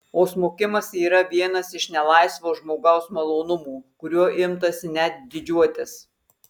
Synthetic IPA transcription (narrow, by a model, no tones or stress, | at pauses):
oːsmoːkʲɪmɐsiːɾɐʋʲiɛnɐsɪʃnʲɛlˠɐɪsʋoːʒmoːɡɐʊsmɐlˠoːnʊmuːkʊɾʲuɔʔɪmt̪ɐsʲɪnʲɛt̪̚d̪ʲɪd͡ʒʲuɔt̪ʲɪs